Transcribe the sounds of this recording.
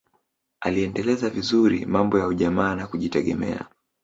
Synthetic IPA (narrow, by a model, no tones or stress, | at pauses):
aliɛndɛlɛzavizuɾḭmambɔjauʄamaːnakuʄitɛɠɛ̰mɛ̰a̰